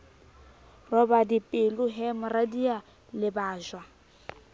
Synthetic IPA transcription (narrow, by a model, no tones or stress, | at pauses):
rɔbadipʼɪlʊɦɛmʊradia | lɪbaːʒwa